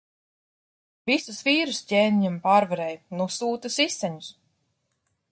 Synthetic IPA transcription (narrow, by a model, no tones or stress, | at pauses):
visusviːɾuscʲeːniɲampaːɾvaɾɛjnusuːt̪ɐsisɛɲus